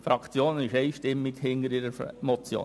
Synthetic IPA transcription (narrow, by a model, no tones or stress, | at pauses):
fɾɑkʰt͡sjoːnɪʃɛɪʃtɪmːɪɡhɪnəɾiɾəɾmɔt͡sjo̰ː